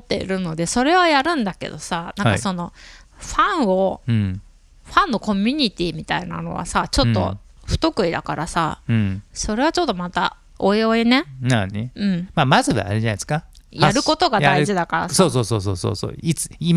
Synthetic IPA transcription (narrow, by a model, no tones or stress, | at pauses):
mot̪ːe̞̰ḭɾɯ̟no̞d̪e̞so̞ɾe̞βajaɾɯ̟̃nd̪ake̞̰d̪o̞sanãakaso̞no̞ɸãɰ̃o̞ | ɸãnːo̞ko̞mʲiɲ̟it̪ʲiːmʲit̪aina̰no̞̰βa̰sat͡ɕo̞t̪ːo̞̰ɸɯ̟̥t̪o̞kɯ̟id̪a̰kaɾʔasaɯ̃so̞ɾe̞β̞at͡ɕo̞t̪ːo̞mat̪a | o̞eo̞ene̞naneɯ̟̃ɴmaːmazɨβa̰ːɾeanae̥skajaɾɯ̟ko̞t̪o̞ɡaaiʑid̪akaɾa̰soːso̞ːso̞ːso̰ːso̰ːso̰ːit͡sɨ̥im